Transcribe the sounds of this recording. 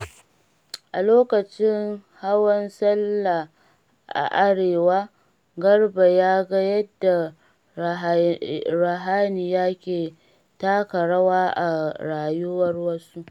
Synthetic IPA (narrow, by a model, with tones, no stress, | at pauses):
ʔa˨loː˦kɐ˨t͡ʃɪ˦ŋha˦wɐ˦nsɐ˦lːa˨ | ʔa̰˨ʔa˦ɽeː˨waː˦ | ɡɐ˦rba˨jaː˦ɡɐ˦jɐ˦dːa˨ | ɾa˨ɦaː˦ni˨jaː˦kʲeː˨ | taː˦kɐ˨ɽɐ˦waː˦ʔa˨ɽaː˨jʊ˦wɐ˦rwɐ˦su˦ʔ